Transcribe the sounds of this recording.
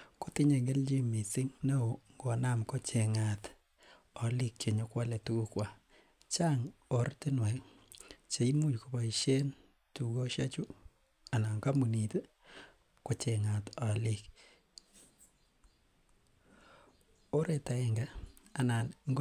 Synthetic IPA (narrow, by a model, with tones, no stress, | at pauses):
ko˦tɪ˦ɲe˨ŋɡe˦ld͡ʒi˦mi˨sɪ˦ŋne˦o˨ŋɡo˨na˦mko˦t͡ʃe˨ŋa˨t | ɔ˨li˦kt͡ʃe˨ɲo˦kwa˦le˨tu˦ku˦kwa˨ | t͡ʃa˦ŋo˨ɾtɪ˦nwa˨ | t͡ʃe˨i˦mu˦˨t͡ʃko˨ba˨i˨ʃe˦n | tu˨ɡo˦ʃa˦t͡ʃu˦ | a˨na˨ŋka˦mu˨ni˨te˦ | ko˨t͡ʃe˨ŋa˨tɔ˨li˨k | o˦ɾe˨ta˨e˨ŋɡa˦a˨na˨nŋɡ